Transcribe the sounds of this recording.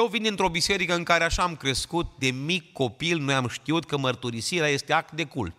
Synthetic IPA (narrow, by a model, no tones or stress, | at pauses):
jewvind̪int̪ɾo̞bise̞ɾikəɨnŋkaɾeaʃaːmkɾe̞skut̪̚d̪e̞mikːo̞pilno̞jamʃt̪iut̪̚kəmərt̪uɾisiɾeaje̞st̪eak̚t̪d̪e̞kṵl